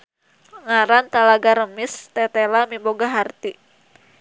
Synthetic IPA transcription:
ŋaɾant̪alaɡaɾəmɪst̪ɛt̪ɛlamimboɡaɦart̪i

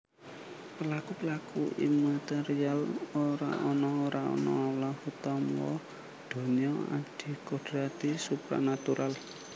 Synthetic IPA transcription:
pəlakupəlakuimat̪ɛɾialoɾa̰ʔɔnɔoɾʔaɔ̰nɔlɔhut̪ɔmwɔ̰ | ɖ̪̥o̤ɲiɔa̰ɖ̪̥i̤kɔɖ̥ɾat̪isupɾa̰nat̪uɾʔal

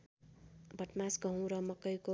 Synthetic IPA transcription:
bʱʌʈmasɡʌ̃w̃ɾʌmʌkʌjko

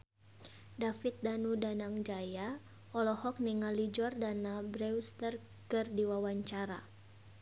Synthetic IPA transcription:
dafit̪̚danudanaŋd͡ʒaja | ɔlɔhɔk̚niŋalid͡ʒɔrdanabɾɛust̪ər | kɨrdiwawaɲt͡ʃaɾa̰

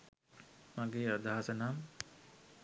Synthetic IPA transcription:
maɡeːəd̪aɦasənaːm

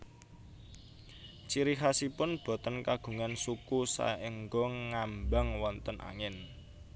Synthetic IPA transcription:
t͡ʃiɾiɦasipʊnb̥ɔ̤t̪ənkaɡ̥ṳŋansukusa̰ɪŋɡɔŋːambaŋwɔnt̪ənʔa̰ŋɪn

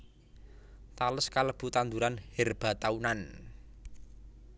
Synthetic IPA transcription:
t̪aləskaləb̥ṳt̪and̪uɾanhɛrb̥a̤t̪aunan

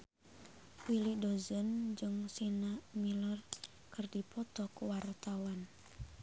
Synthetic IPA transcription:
wilidozənd͡ʒɨŋsinamilɔr | kɨrdipɔt̪ɔkuwart̪awan

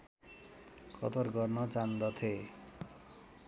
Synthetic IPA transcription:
kʌ̰t̪ɔrɡʌrnʌt͡sand̪ʌt̪ʰe

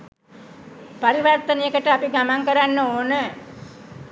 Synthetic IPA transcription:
paɾiʋart̪ənijəkəʈəapiɡamaŋkəɾanːəoːnə

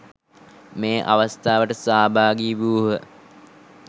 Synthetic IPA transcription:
meːʔa̰ʋast̪aːʋəʈəsaːbaːɡiːbuɦə

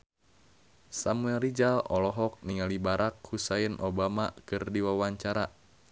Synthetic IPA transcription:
samuɛlrid͡ʒalɔlɔɦɔk̚niŋalibaɾak̚husainʔobamakɨrdiwawaɲt͡ʃaɾa

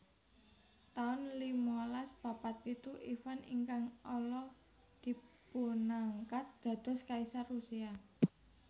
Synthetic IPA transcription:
t̪aʊnlimɔlaspapat̪̚pit̪uʔifanḭŋkaŋɔlɔ | d̪̥i̤punaŋkat̪̚d̪̥ä̤d̪̥ɔ̤skaisarusia

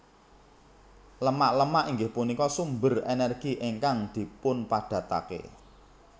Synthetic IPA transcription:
ləmaʔləmaʔiŋɡɪhpunikɔsumbərenɛrɡ̥iʔeŋkaŋd̪̥i̤pʊnpaɖ̥ä̤t̪a̰kḛ

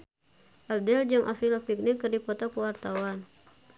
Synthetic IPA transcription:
ʔab̚dɛld͡ʒɨŋʔa̰filapik̚nikːɨrdipɔt̪ɔkəwart̪awan

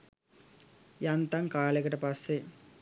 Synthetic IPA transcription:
jɐnt̪ɐŋkaːleɡɐʈɐpɐse

